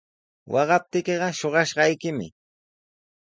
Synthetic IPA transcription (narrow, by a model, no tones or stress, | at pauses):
wʔɑɢɑp̚t̪ɪkeɢɑʃoɢɑʃɢɑjkɪmɪ̰